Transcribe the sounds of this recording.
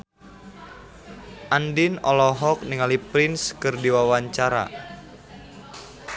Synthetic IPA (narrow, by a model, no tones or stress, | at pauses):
ʔandinɔlɔɦɔk̚niŋalipɾɪnskərdiwawaɲt͡ʃaɾa̰